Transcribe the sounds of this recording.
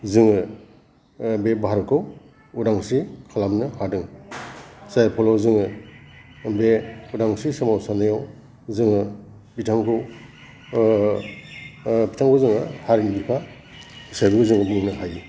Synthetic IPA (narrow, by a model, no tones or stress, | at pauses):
zɯŋɯ | bebaɦaɾɔkʰɯw | udaŋsikʰalamnɯhadɯŋ | sajpʰɔlɔzɯŋɯ | beudaŋsisamawsanajaw | zɯŋɯ | pitʰaŋkʰu | bitʰaŋkʰuzɯŋɯhaɾinibipʰa | isajbɯɡɯzɯŋɯbiniŋnɯhaji